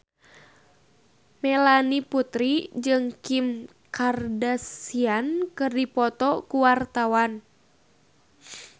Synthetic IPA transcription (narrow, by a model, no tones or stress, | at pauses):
mɛlaniput̪ɾid͡ʒɨŋkim | kardasiankɨrdipɔt̪ɔkuwart̪awan